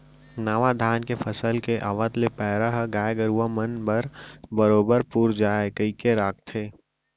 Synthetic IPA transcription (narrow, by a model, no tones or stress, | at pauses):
naʋad̪ʱaːnkepʰəsəlkeʔaʋət̪lepɛːɾəɦɡaːjɡəɾuʋamənbəɾbəɾoːbəɾpuːɾd͡ʒaːekəikeɾaːkt̪ʰeː